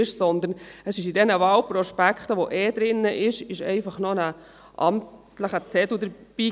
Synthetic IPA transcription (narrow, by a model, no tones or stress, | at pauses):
ɪʃsɔnd̪əɾnəsɪʃidɛnəʋɑlpɾɔʃpækʰχt̪əʋoʔɛːd̪ɾɪnːəʔɪʃɪʃɛ̰ɪfɑχnɔnə | ʔɑ̰mt | ləχət͡sɛd̪ud̪əɾb̥iː